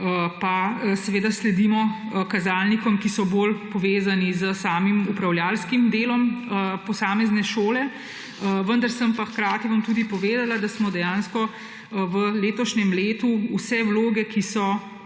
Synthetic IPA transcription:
əpasɛʋeːd̪aslɛd̪imɔ | kazaːlnikɔmkisɔboːlpɔʋeːzanizəsaːmimupɾawljaːlskimd̪eːlɔməpɔsaːmɛznɛʃoːlɛ | əʋənd̪aɾsəmpaxkɾaːt̪iʋamt̪uːd̪ipɔʋeːd̪alad̪asmɔd̪ɛjaːnskɔ | ʋəleːt̪ɔʃnɛmleːt̪uusɛwloːɡɛkisɔ

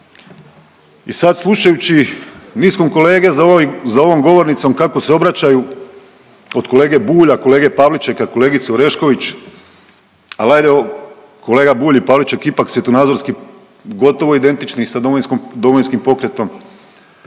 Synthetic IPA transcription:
isad̪slˠuʃajut͡ɕiniːsko̞mko̞le̞ːɡe̞zzao̞ʋo̞mɡo̞ʋo̞ɾnit̪so̞mkako̞seo̞bɾat͡ɕaju | o̞d̪ko̞le̞ːɡe̞buːʎako̞le̞ːɡe̞paʋlit͡ʃekako̞le̞ːɡit̪suoɾe̞ʃko̞ʋit͡ʃ | alˠajd̪eo | ko̞le̞ːɡabuːʎipaːʋlit͡ʃekipaksje̞t̪onaːd̪zo̞ɾski | ɡo̞t̪o̞ʋo̞id̪e̞nt̪it͡ʃnixsad̪omojinskod̪o̞mojinskimpo̞kɾe̞t̪o̞m

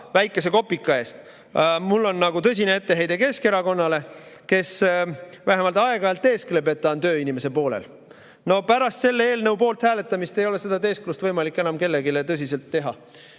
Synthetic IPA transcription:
væjkːˑe̞se̞ko̞pːˑikːˑɑe̞ːst̪ | mulːo̞nːɑɡut̪ɤs̬ʲinee̞t̪ːe̞ɦe̞jd̪̥e̞ke̞ske̞ɾɑko̞nːɑle̞ke̞s | væɦemɑlt̪ˑɑe̞ɡ̥ɑelt̪ːˑe̞ːsklebe̞t̪ːɑont̪ø̞ːinʲime̞se̞po̞ːlḛl | no̞pæɾɑst̪se̞lːee̞ːlnɤwpo̞ːlt̪hæːle̞t̪ːˑɑmist̪e̞jo̞le̞se̞d̪ɑt̪e̞ːsklust̪vɤjmɑlikːˑe̞nɑmke̞lːe̞ɡilet̪ɤs̬ʲise̞lt̪ːe̞ɦɑ̰

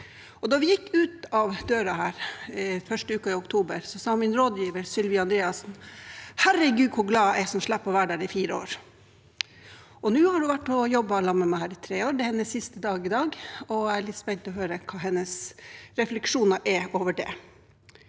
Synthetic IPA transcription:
ɔd̪ɑʋɪjɪkːʉːt̪ɑʋd̪øːɾɑhæːɾfœʂʈəʉːkɑɪʊkt̪ʰuːbəɾsɔsɑːmɪnɾoːd̪jiːʋəɾsʏlʋɪːɑnd̪ɾeːɑsnhæɾːəɡʉːd̪̚kʰʊɾɡlɑːɛsɔmʂɭæpːɔʋæːɖæːɾɪfiːɾəo̰ːɾ | ɔnʉːhɑɖʉʋæʈːɔjɔbːəlɑmɛmæhæːɾɪt̪ʰɾeːoːɾɖ̪ɛhɛnːəsːɪst̪əd̪ɑːɡɪd̪ɑːɡɔæɪæɭɪt̪ːspɛɲt̪ɔɦøːɾəkʰɑːɦɛnːəsɾɛflɛkʂuːnɑʔɛoːʋəɖɛ

